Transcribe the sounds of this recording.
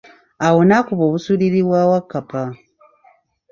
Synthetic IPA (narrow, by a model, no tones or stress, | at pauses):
awonakuβoβusuɾiɾiβwawakːapʰa